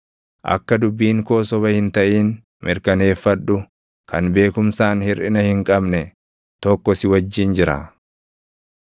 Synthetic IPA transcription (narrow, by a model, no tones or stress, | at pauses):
ʔɐ̰kːɐd̪ʊbːiːŋkoːsɔβɐhɪnt̪ɐʔiːn | mʔɪɾkɐne̞ːfːɐᶑʊ | kʰɐnbe̞ːkʊmsaːnhɪɾʔɪnɐhɪŋkʼɐbnɛ | t̪ɔkːɔsɪwɐd͡ʒːiːnd͡ʒɪɾɐ̰